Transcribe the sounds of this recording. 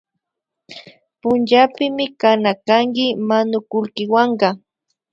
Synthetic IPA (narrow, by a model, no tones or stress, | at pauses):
pʊnt͡ʃapɪmɪkanakaŋkɪmanʊkʊlkɪwaɴɢɑ